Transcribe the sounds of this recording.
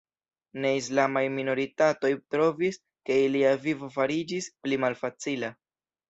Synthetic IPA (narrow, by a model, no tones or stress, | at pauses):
ne̞islamajmino̞ɾitato̞jtɾo̞vis | ke̞iliavivo̞faɾid͡ʒisplimalfat͡sila